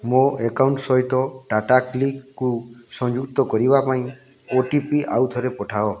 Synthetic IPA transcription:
moekawɳʈsɔɦit̪ɔʈaʈaklikːusɔ̃ŋd͡ʒuk̚t̪ɔkɔɾibapaĩ | oʈipiʔawt̪ʰɔɾepɔʈʰaɔ

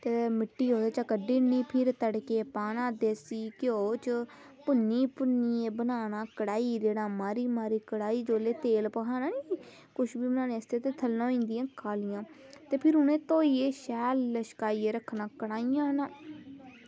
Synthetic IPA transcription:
t̪emɪʈːiːɦoːd̪eːt͡ʃakəɖiːniːpʰɪɾt̪əɽkeːpaːnãːd̪eːsiːkɪoːt͡ʃə | pʊnːiːpʊnieːbənaːnaːkəɽaːiːd͡ʒeːɽãːmaːɾiːmaːɾiːkəɽaːiːd͡ʒoːleːt̪eːlpəkʰaːnaːniː | kʊʃbiːbənãːnẽːəst̪eːt̪eːt̪ʰəlːãːĩːnd̪ɪjãːkʰaːlɪjãː | t̪eːpʰɪɾʊnẽːt̪oːiːeːʃɛːlːəʃkaːiːeːɾəkʰːnãːkəɽaːijãːnãː

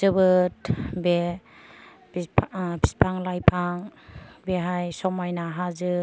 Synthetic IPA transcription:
zɯbɯt̚be | bibʰispʰaŋlajpʰaŋbeɦajsɔmajnaɦazɯ

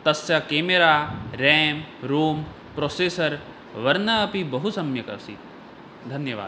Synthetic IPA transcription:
t̪ɐsjɐkeːmeɾaːɾeːmɾuːm | pɾoːseːsɐɾ | ʋɐɾnɐːpibɐɦusɐmjɐkɐ̰sḭ | d̪ʱɐnjɐʋa̰ːd̪

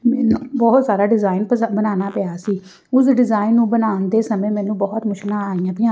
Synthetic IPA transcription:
mɛːnũːbɔːt̪saːɾaːɖɪzaːɪnbənaːnaːpejaːsiː | ʊsɖɪzaːɪnːũːbənaːnd̪eːsəmẽːmɛ̃ːnũːbɔːt̪mʊʃnãːaːiãːbɪãː

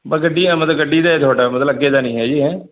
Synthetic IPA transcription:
bəɡəɖːiːɛ̃ːmət̪ləɡəɖiːd̪aːet̪ʰoːɖaːmət̪ləɡeːd̪aːnĩːɦɛːd͡ʒiːɦɛ̃ː

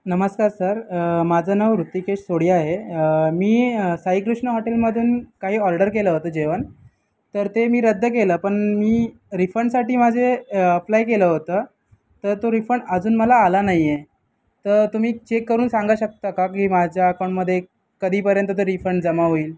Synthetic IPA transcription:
nəməskaɾsəɾmad͡zʱənəʋɾut̪ːikeɕsoɽiaɦemiːsaɦiːkɾuʂɳəɦɔʈelməd̪ʱuːnkaɦiːɔɾɖəɾkeləɦot̪əːd͡ʑeʋən | t̪əɾt̪emiːɾəd̪ʱːək̬eləːpəɳmiː | ɾifəɳɖsaʈiːmad͡zʱeəplajkeləɦot̪əː | t̪əɾt̪oɾifəɳɖəd͡zuːnməlaːlanaɦie | t̪əɾt̪um̤iːt͡ɕekːəɾuːnsãŋɡaɕək̚t̪əkakiːmad͡ʑʱjaːkawɳməd̪ʱːje | kəd̪ʱiːpəɾjənt̪̬ət̪̬əɾifəɳɖd͡zəmaɦoiːl

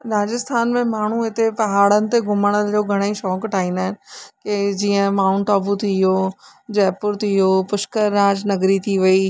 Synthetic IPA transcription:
ɾaːd͡ʑɪst̪ʰaːnmẽmaːɳ̤uɪt̪epɐɦaːɽənɪ̆t̪eɡʱʊməɽ̃əld͡ʑoːɡʱɐɽ̃eiʃɔːkʈʰaːɦĩːnd̪aːɦɪnɪ̆ked͡ʑiːə̃maːnʈaːbut̪ʰijoː | d͡ʑɛːpʊɾt̪ʰijopʊʃkəɾːaːd͡ʑnɐɡɾit̪ʰiʋɐi

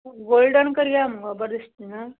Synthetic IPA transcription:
ɡolɖənkəɾijamuɡəbəɾd̪ist̪ina

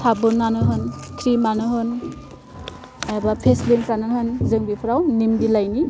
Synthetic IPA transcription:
tʰabɯnːanɯɦɯnkʰɾimanɯɦɯn | abapʰeslinkʰɾanɯɦɯnzɯŋbipʰɾawnimdilajni

